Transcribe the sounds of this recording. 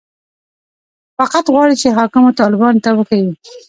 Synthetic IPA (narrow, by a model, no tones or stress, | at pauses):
faqat̪ɣwɑɽit͡ʃeɦɑkɪmot̪ɑlɪbɑnt̪awəxawi